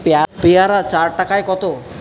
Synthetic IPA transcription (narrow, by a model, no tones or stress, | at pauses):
peapeaɾat͡ʃaɾʈakaekɔt̪o